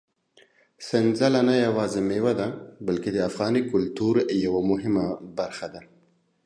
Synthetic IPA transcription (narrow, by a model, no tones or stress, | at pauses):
sɪnzalanajawɑːzɪmewad̪abalked̪əafɣɑːnikʊlt̪uɾjawamʊɦɪmabaɾxad̪a